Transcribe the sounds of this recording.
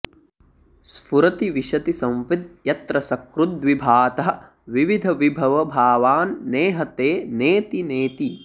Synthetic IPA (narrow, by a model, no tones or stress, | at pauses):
sfuɾɐt̪iʋiʃɐt̪isɐ̃mʋid̪̚jɐt̪ɾɐsɐkɾud̪ʋibʱaːt̪ɐɦɐ | ʋiʋid̪ʱɐʋibʱɐʋɐbʱaːʋaːnːeːɦɐt̪eːneːt̪ineːt̪i